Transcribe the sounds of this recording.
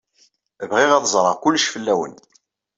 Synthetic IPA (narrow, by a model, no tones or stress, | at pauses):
vʁɪʁæðzˤɾˤəʁkʊlːəʃfəlːæwə̰n